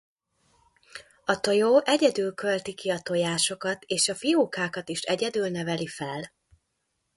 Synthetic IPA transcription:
ɒt̪o̞joːʔɛɟɛd̪yːlkølt̪ikiɒt̪o̞jaːʃo̞kɒt̪eːʃɒfioːkaːkɒt̪iʃɛɟɛd̪yːlnɛvɛlifɛl

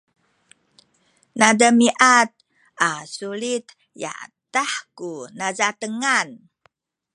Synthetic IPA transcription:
nadəmiʔat̪̚ | ʔasulit̪ | ja̰taħkunazat̪əŋan

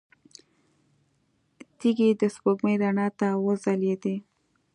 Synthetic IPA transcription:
t̪iɡid̪əspoɡməjdaɳɑt̪awəzaled̪e

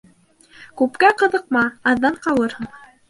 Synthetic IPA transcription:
kʉpkæqɤ̆ðɤ̆q̚mɑɑðːɑɴqɑwɤɾhɤɴ

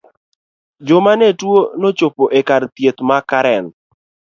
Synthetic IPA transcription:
d͡ʒomanetwonot͡ʃopoʔekaɾt̪jet̪makaɾɛn

